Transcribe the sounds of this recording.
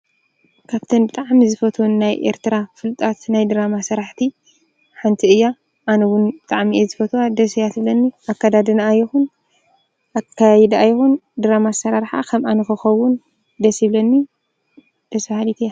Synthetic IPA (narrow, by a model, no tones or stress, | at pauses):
kʰaβt̪ʰɐnbɨt̪ʼaʕmizɨfɐt̪ʰnːajʔḛɾt̪ʰɨɾafɨlt̪ʼat̪najd̪ɨɾamasɐɾaħt̪ʰi | ħant̪ʰiɨjːa | ʔanɐwʊnbɨt̪ʼaʕmiʔezɨfɐt̪ʰuwad̪ɐsijat̪ɨblɐnːiʔakːad̪ad̪ɨnaːjːixun | ʔakʰːajɛd̪ajːixund̪ɨɾamasɐɾaɾħa̰kʰɐmʔanɨxɨxɐwun | d̪ɐsiblɐnːi | d̪̥ɐsfahalit̪ʰijːa